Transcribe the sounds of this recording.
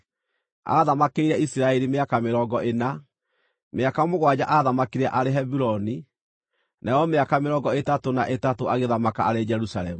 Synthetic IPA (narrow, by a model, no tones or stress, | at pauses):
a̰ðamakeiɾɛisiɾaɛɾimeakameɾɔːɡɔʔena | meakamoɣwad͡ʑaʔaðamakiɾɛʔaɾeɦɛbuɾɔni | nʔajɔmeakameɾɔːɡɔetatonaʔetatoaɣeðamakaaɾed͡ʒɛɾusalɛmu